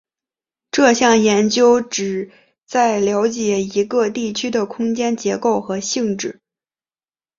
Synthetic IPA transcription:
ʈ͡ʂɤ˥˧ɕjɑ˥˩ŋjɛ˧˥nt͡ɕjo˥ʊʈ͡ʂɻ̩˨˩ | t͡sa˥˩ɪljɑ˧˥ʊt͡ɕjɛ˧˥i˧˥ɡə˧t̪i˥˩t͡ɕʰy˥d̪ə˨kʰʊ˥ŋt͡ɕjɛ˥nt͡ɕjɛ˧˥ko˥˩ʊxɤ˧˥ɕi˥˧ŋʈ͡ʂɻ̩˥˩

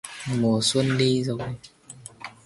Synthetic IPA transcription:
mu˨˩əswə˧ənɗi˧zo˨˩j

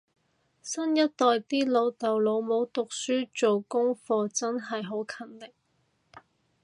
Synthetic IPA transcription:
sɐ˥njɐ˥t̚t̪ɔː˨jt̪iː˥lo˨˧wt̪ɐ˨wlo˨˧wmo˨˧˥wt̪ʊ˨k̚syː˥t͡ʃo˨wkʊ˥ŋfɔː˧t͡sɐ˥nɦɐ˨jɦo˨˥wkʰɐ˨˩nlɪ˨k̚

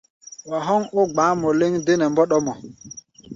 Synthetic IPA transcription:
wa˨ɦɔ˦ŋo˦ɡ͡baː˨˦mɔ˨le˦ŋde˦nɛ˨mbɔ˦ɗɔ˦mɔ˨

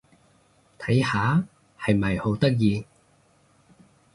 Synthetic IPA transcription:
t̪ʰɐ˨˥jhaː˨˧˥ | hɐ˨jmɐ˨jho˨˥wt̪ɐ˥k̚jiː˧

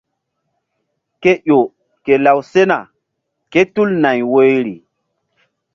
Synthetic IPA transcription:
ke˦ʔo˨ | ke˨la˨wse˦na˨ | ke˦tu˦lna˨jwo˦jɾi˨

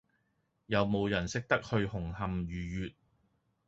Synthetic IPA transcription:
jɐ˨wmo˨˧wjɐ˨˩nsɪ˥k̚t̪ɐ˥k̚hɵ˧ɥhʊ˨˩ŋhɐ˨mjyː˨˩jyː˨t̚

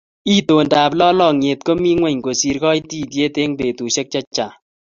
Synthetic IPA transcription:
i˦to˨nda˨plɔ˦lɔ˨ŋe˨t̚ko˦mi˦ŋwɛ˦˨ɲɡo˨si˨ɾkɔ˦jti˦t̬je˦te˦ŋte˨tu˨ʃɛ˦k̚t͡ʃa˦t͡ʃːa˨

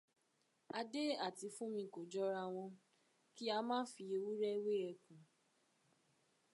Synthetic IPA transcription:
a˧de˦a˦˨ti˨˧fũ˦mĩ˧ko˨d͡ʒɔ˦ɾa˧w̃ɔ̃˧ | ki˦a˧mãː˦fi˧e˧wu˦ɾɛ˦we˦ɛ˧˨kũ˨

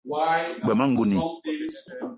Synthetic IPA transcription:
ɡ͡bɛ˨mã˦ŋ̩˦ɡu˨nĩ˨

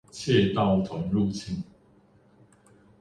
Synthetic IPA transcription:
t͡ɕʰjɛ˥˧t̪ɑ˥˨ʊt̪ʰwa˨˦ŋlu˥˨t͡ɕʰi˥˨n

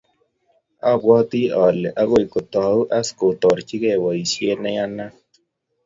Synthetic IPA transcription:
a˦˨bwɔ˦t̪i˦ɔ˨lɛ˨ʔa˦ɣo˦i˨ko˨t̪ɔ˨˦u˦ʔa˦sko˨t̪ɔ˨ɾt͡ʃi˦kɛ˦˨wɔ˨i˨sje˦nɛ˦ja˦na˦

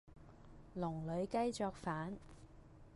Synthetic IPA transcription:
lʊ˨˩ŋlɵ˨˧ɥkɐ˥jt͡sɔː˧k̚faː˨˥n

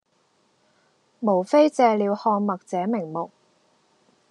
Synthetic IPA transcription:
mo˨˩wfe˥jt͡sɛː˧liː˨˧whɔː˧ŋmɐ˨k̚t͡sɛː˨˥mɪ˨˩ŋmʊ˨k̚

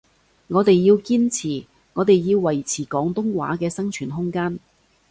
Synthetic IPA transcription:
ŋɔː˨˧t̪e˨jːiː˧wkiː˥nt͡sʰiː˨˩ | ŋɔː˨˧t̪e˨jːiː˧wːɐ˨˩jt͡sʰiː˨˩kɔː˨˥ŋt̪ʊ˥ŋwa̰ː˨˥kɛː˧sɐ˥ŋt͡ʃʰyː˨˩nɦʊ˥ŋkaː˥n

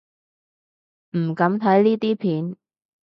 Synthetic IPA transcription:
m̩˨˩kɐ˨˥mt̪ʰɐ˨˥jliː˥t̪iː˥pʰiː˨˥n

